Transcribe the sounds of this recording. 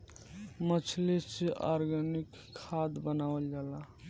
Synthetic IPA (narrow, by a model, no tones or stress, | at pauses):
mət͡ʃʰlesiʔɔɾɡənikʰːad̪bənaʋəld͡ʒala